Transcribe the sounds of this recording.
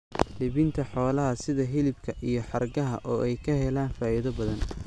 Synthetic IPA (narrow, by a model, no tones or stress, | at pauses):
lɪβɪnt̪ʰɐħɔːlɐɦɐsɪðɐɦɪlɪb̚kʰɐʔijɞħɑrɡɐɦɐ̰ʔɔːʔɛjkʰɐhɛlaːnfaːiðɐbɐðɐn